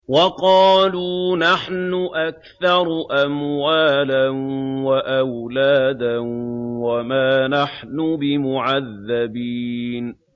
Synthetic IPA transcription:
wɑqɑːluːnaħnʊʔakθɑɾˤʔamwaːlanwaʔawlaːd̪anwamaːnaħnʊbɪmʊʕaðːabiːn

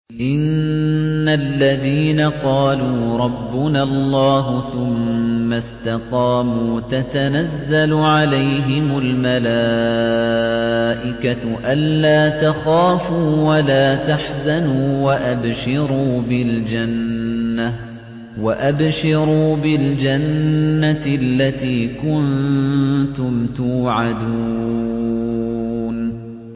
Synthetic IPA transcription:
ʔɪnː | alːaðiːnaqɑːluːɾˤɑbːʊnaɑlˤːɑːɦʊθʊmːast̪ɑqɑːmuːt̪at̪anazːalʕalajɦɪmʊlmala | ʔɪkaʔanːaːt̪axaːfuːwalaːt̪aħzanuːwaʔabʃɪɾuːbɪld͡ʒanːa | waʔabʃɪɾuːbɪld͡ʒanːalːat̪iːkʊn | t̪ʊmt̪uːʕad̪u | n

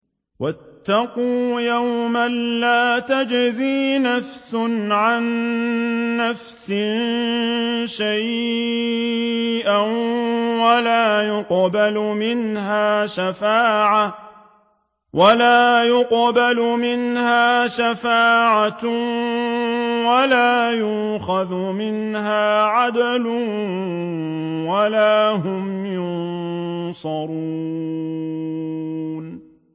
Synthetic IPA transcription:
wat̪ːɑquːjawmanːaːt̪ad͡ʒziːnafsʊnʕanː | afsɪn | ʃaj | ʔanwalaːjʊqbalʊmɪnɦaːʃafaːʕa | wʔalaːjʊqbalʊmɪnhaːʃafaːʕa | walaːjʊxaðʊmɪnɦaːʕad̪lʊ | walaːhʊmjʊnsˤɑɾuː | n

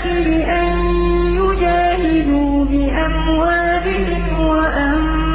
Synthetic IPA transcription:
ɪbɪʔan | jʊd͡ʒaːhɪd̪u | bɪʔam | waːbɪʔɪm | waʔa

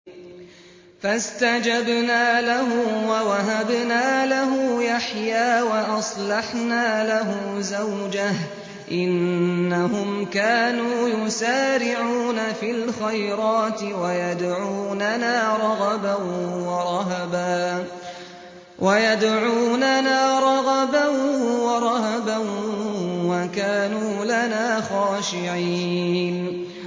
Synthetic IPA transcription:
fast̪ad͡ʒabnaːlaɦʊwawaɦabnaːlaɦʊːjaħjaːwaʔɑsˤlɑħnaːlaɦʊ | zawd͡ʒah | ʔɪnːaɦʊmkaːnuːjʊsaːɾɪʕuːnafiːlxajɾɑːt̪ɪwajad̪ʕuːnanaːɾˤɑɣɑbanwɑɾˤɑɦabaː | wʔajad̪ʕuːnanaːɾˤɑɾɑbanwɑɾˤɑhɑban | wakaːnuːlanaːxɑːʃɪʕiːn

